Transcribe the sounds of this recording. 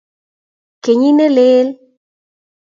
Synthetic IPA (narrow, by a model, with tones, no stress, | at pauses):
ke˨ɲi˦ne˦le˦l